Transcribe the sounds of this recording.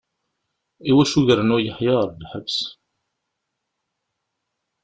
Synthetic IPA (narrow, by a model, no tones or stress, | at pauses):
iwæʃuʝɾənʊjəħjɑɾˤlħəbs